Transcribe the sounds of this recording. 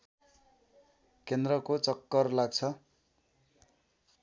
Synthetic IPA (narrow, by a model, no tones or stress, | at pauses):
kend̪rʌkot͡sʌkːʌrlaɡ̚t͡sʰʌ